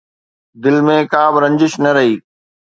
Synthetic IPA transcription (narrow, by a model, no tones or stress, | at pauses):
d̪ɪlmẽːkaːbɪɾɐ̃ɲd͡ʑɪʃnɐɾɐɦiː